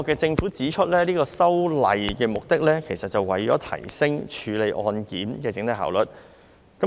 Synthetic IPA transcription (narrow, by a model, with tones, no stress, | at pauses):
kɛː˧t͡sɪ˧ŋfu˨˥t͡siː˨˥t͡ʃʰɵ˥t̚lɛː˥liː˥kɔː˧sɐ˥wlɐ̰˨jkɛː˧mʊ˨k̚t̪ɪ˥k̚lɛː˥kʰe˨˩jsɐ˨t̚t͡sɐ˨wɐ˨˩jt͡ʃɔː˨˥t̪ʰɐ̰˨˩jsɪ˥ŋt͡ʃʰyː˨˧le˨˧jʔɔː˧nkiː˨˥mkɛː˧t͡sɪ˨˥ŋt̪ɐ˧˥ɦa̰ː˨˩wlɵ˨t̚ | kɐ˨˥